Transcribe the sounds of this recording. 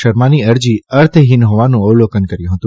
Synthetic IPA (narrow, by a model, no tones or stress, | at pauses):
əɾmaniəɾd͡ʒiəɾt̪ʰɦinɦoʋanũəwlokənkəɾjũɦət̪ũ